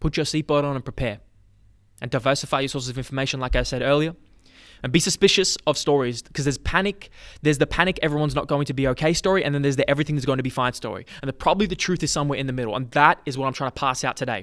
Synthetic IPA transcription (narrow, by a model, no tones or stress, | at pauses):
pʰʊt͡ʃə˞sit̚b̥ɑɾn̩ə̃n̩pɹ̥ipʰɛɹ | ɨ̃ndaɪvɜ˞sɨfaɪjə˞sɔɹszʌvɪ̃ɱfə˞meɪʃɨ̃nlaɪkaɪv̥sɛɾɜ˞lˠiə˞ | ɨ̃nbisɨspɪʃɨsʌv̥stɔɹiz̥kʰʌzðə˞z̥pʰænɨkðə˞zðɨpʰæñɨkɛvɹiwʌ̃nznət̚ɡ̥oʊɪ̃ŋtʰɨbioʊkʰeɪstɔɹiʔɨ̃nðɨ̃nðə˞zðəʔɛvɹiθɪ̃ŋðɨszɡoʊɪ̃ŋtʰɨbifãɪ̃n̥stɔ̰ɹḭɨ̃nðɨpʰɹ̥ɑbəbliðɨtʰɹ̥ʉθɨz̥sʌ̃mwɛɹɨ̃nðɨmɪɾl̩ˠə̰̃nðəɾɨzwʌɾãɪ̃tʰaɪ̃ŋ̃ntəpʰæsaʊtʰɨdeɪ